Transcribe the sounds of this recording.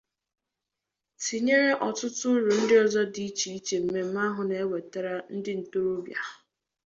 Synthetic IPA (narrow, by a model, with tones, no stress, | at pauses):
ti˨ɲe˦ɾe˦ʔɔ˨tʊ˦tʊ˦ɾʊ˨n̩˦dɪ˦ɔ˨zɔ˦di˨˦i˦t͡ʃi˨i˦t͡ʃe˨m̩˨me˦m̩˨˦ma˦ɦʊ˨ne˨e˦we˨ta˦ɾa˦n̩˦dɪ˦n̩˨to˦ɾo˦bja˨